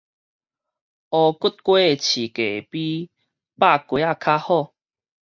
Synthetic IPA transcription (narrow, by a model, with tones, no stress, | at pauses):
ɔ˧ku˦t̚kwe˦˨t͡ɕʰi˨˩ke˨˩˨pi˦ | pa˥˧˨kwe˨˦a˥˧kʰa˦hɔ˥˧˨